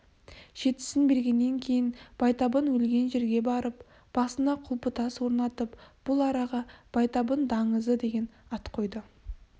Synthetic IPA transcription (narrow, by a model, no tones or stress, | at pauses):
ʒ̥e̞t̪ɪ̥sɪnbe̞ɾɡʲe̞nːe̞ŋkʲʰe̞jɪnb̥ɑjt̪ɑbənwɵlɡʲe̞nʒe̞ɾɡʲe̞bɑɾəp̚ | b̥ɑsənɑqʰʊlˠpət̪ɑswo̞ɾnɑt̪əpb̥ʊlˠɑɾɑʁɑb̥ɑjt̪ɑbənd̪ɑɴəzəd̪e̞ɡʲe̞nɑt̪qʰo̞jd̪ə